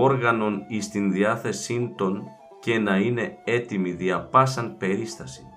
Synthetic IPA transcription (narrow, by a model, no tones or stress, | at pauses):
o̞ɾɣɐno̞nist̪inðiɐθe̞sind̪o̞n | ce̞nɐine̞e̞t̪imiðiɐpɐsɐnpe̞ɾist̪ɐsi̥